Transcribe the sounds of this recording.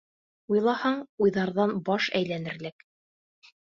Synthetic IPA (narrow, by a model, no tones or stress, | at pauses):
ujlˠɑhɑɴujðɑɾðɑnbɑʃæjlænɘ̆ɾlɘk